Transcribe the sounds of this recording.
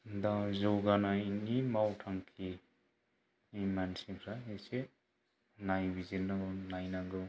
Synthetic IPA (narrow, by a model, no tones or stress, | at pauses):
dazɔwɡanainimawtʰaŋkʰi | imansiŋkʰɾaese | najbizinɯnajnaŋɡɯ